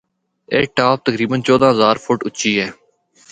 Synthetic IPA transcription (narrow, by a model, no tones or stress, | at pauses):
ḛːʈaːp̚t̪əkɾiːbənt͡ʃɔːd̪ãːɦəzaːɾfʰʊʈʊtːt͡ʃʃiːɦɛː